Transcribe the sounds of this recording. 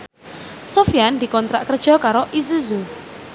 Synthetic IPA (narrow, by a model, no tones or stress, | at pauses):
sofiand̪i̤kɔnt̪ɾaʔkərd̥ʒ̥ɔ̤kaɾoʔis̬uzu